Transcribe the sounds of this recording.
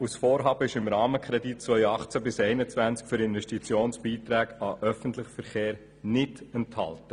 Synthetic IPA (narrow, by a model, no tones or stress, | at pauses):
usfoːɾɦɑːbəɪʃɪmɾɑːməkʰχɾɛdit̚t͡sʋœʏɑχt͡sæbɪsɛɪnət͡svænt͡skfʏɾɪnvɛʃtit͡sjoːnsb̥iːt̪ɾæːɡɑʔœfəntlɪχfəɾχeːɾ | nɪdɛnthɑ̰ltə